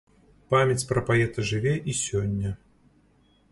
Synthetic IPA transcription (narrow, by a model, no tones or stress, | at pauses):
pamʲɐt͡sʲpɾɐpajɛt̪ɐʐɨvʲɛʔisʲɔnʲːɐ